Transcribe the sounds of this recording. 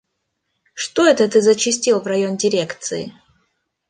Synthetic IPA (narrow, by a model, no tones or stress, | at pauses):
ʂt̪oɛt̪ət̪ɨzət͡ɕɪsʲtʲilˠvrɐjondʲɪɾʲe̞kt̪sɨɪ̰